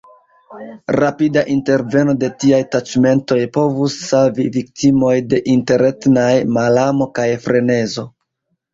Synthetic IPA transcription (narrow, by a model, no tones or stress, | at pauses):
ɾapidaʔinte̞ɾve̞no̞de̞tiajtat͡ʃme̞nto̞jpo̞vusːalvivik̚timo̞jde̞ʔinte̞ɾe̞tnajmalamo̞kajfɾe̞ne̞zo̞